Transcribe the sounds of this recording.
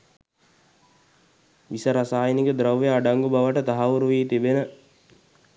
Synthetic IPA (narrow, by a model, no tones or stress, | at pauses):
ʋisəɾasaːjiniɡəd̪ɾawʋeaɖaŋɡubaʋəʈət̪aɦaʋuɾuʋiːt̪ibenə